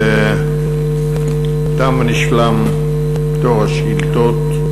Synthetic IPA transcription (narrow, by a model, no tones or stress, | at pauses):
e | t̪amniʃlam | bt̪oʁhaʃɡilt̪ot̪